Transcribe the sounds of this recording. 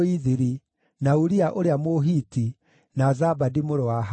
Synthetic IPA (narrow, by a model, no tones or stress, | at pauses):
iðiɾi | nauɾiaʔoɾeamoɦiti | nazabadimoɾɔwaɦ